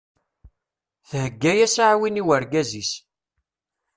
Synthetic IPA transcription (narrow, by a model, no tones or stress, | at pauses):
θhəɡːæjæsʕwiniwəɾɡæzis